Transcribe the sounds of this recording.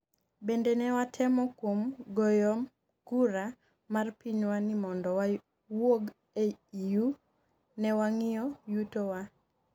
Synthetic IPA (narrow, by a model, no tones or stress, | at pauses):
bɛndɛnɛwatʰɛmɔkwomɡɔjɔm | kuɾa | marpiɲwanimɔndɔwa | woɡ | eju | nɛwaŋɪjɔjutowa